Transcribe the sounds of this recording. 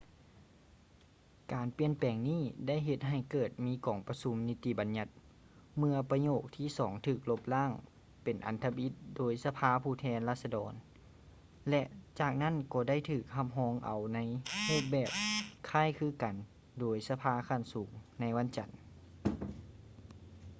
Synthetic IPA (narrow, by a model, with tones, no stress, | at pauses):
kaː˨˩npi˧˩ənpɛː˨˩ŋniː˥˩da˥˩˨jɦe˧t̪̚ɦa˧˨˩jkɤː˨˩t̪̚miː˧˥kɔː˨˩ŋpa˧su˧˦mni˦˧˥t̪i˧ba˨˦nɲa˧˥t̪̚ | mɯ˧ɐpa˧ɲoː˨˩k̚t̪ʰiː˧˥˩sɔː˩˦ŋt̪ʰɯː˧˩k̚lo˧˥p̚laː˥˩˨ŋ | pe˨nʔa̰˨˩nt̪ʰa˧bi˧˥t̪̚doː˨˦jsa˧pʰaː˧˥pʰuː˧˩t̪ʰɛː˧˥nlaː˧˩sa˧dɔː˨n | lɛ˧ʔt͡ɕaː˨˩k̚na˥˨nkɔː˧˩da˥˩˨jt̪ʰɯː˧˩k̚ha˧˩m̚ɦɔː˧˥ŋʔa˨˩wna˧˥jloː˥˩k̚bɛː˨˩p̚kʰaː˥˨jkʰɯː˧˥ka˨˩n | doː˨˩˦jsa˧pʰaː˧˥kʰa˧˥˩nsuː˩˦ŋna˧˥jwa˧˥nt͡ɕa˨˩n